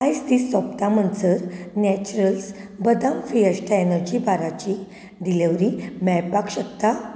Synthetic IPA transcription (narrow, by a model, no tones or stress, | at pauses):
ajst̪iːsɔpt̪amənt͡səɾnɛt͡ɕuɾəls | bəd̪amfiəsʈʰaenəɾd͡ʑibaɾat͡ɕi | d̪ilaʋɾimɛɭpakɕək̚t̪a